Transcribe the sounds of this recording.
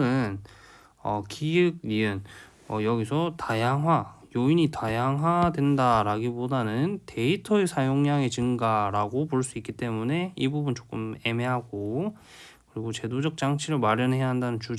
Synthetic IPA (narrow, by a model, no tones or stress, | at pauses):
ɯn | ʌkiɯɡ̚iɯn | ʌjʌɡisʰʌtajaŋɦwajoiɲitajaŋɦadwe̞ndaɾaɡibodanɯntʰe̞itʰʌesʰajoŋɲaŋe̞t͡ɕɯŋɡaɾaɡop̬oɭs͈uik͈it͈e̞mune̞ibubunt͡ɕ͈ok͈ɯme̞me̞ɦaɡo | kɯɾiɡot͡ɕe̞dod͡ʑʌk̚t͡ɕ͈aŋt͡ɕʰiɾɯɭmaɾjʌnɦe̞jaɦandanɯnt͡ɕud͡ʑ